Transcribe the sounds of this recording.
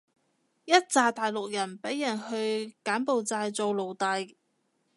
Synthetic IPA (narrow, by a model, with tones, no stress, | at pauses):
jɐ˥t̚t͡saː˧t̪aː˨jlʊ˨k̚jɐ˨˩npe˨˥jːɐ˨˩nhɵ˧ɥkaː˨˥npo˨wt͡saː˧jt͡so˨˧wlo˨˩wt̪a˨˧j